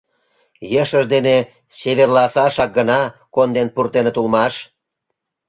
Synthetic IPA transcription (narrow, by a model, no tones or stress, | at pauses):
jeʃəʃd̪ene | ɕeβerlɑsɑʃɑk̚ɡənɑkond̪enpurt̪enet̪ulmɑʃ